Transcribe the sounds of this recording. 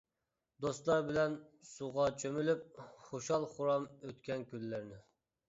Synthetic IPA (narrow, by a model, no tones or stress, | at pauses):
d̪ost̪lˠɑɾbɪlɛnsuʁɑt͡ʃʰømylyp̚χoʃɑlˠχʊɾɑmøt̪kʲɛnkʲylːɪɾnɪ